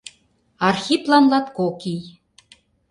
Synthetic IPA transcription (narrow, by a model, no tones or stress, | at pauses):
ɑrxʲiplɑnlɑt̪kokij